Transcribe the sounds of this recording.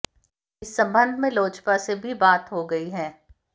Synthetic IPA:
ɪsːɐ̃mbə̃nd̪ʱmẽloːd͡ʒpasebʱibaːt̪ɦoɡɐiɦɛː

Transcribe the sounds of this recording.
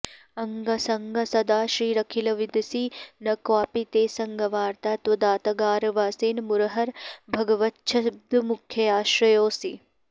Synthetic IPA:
ɐŋɡɐsɐŋɡʱɐsɐd̪aːʃɾiːɾɐkʰilɐʋid̪siːnɐkwaːpit̪eːsɐŋɡʱɐʋaːɾt̪aːt̪ʋɐd̪aːt̪ɐɡaːɾʋaːseːnmuɾɐɦɐɾbʱɐɡɐʋɐtːʃʰɐb̚d̪ʱumukʰjɐaːʃɾɐjoːsi

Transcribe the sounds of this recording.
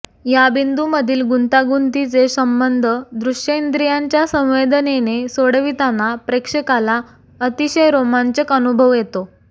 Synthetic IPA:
jabind̪uməd̪ʱiːlɡunt̪aɡunt̪it͡sesəmbənd̪ʱəd̪ɾuʂjəind̪ɾijaɲt͡ɕjasə̃w̃ʋed̪ənenesoɽʋit̪anapɾekʂəkala | ət̪iɕəjɾomaɲt͡ɕəkənubʱəʋjet̪o

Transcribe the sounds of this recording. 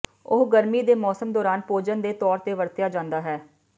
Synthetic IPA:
ʊɦɡəɾmiːd̪eːmɔːsəmd̪ɔːɾaːnpoːd͡ʒənd̪eːt̪ɔːɾt̪eːʋəɾt̪jaːd͡ʒãːnd̪aːɦɛː

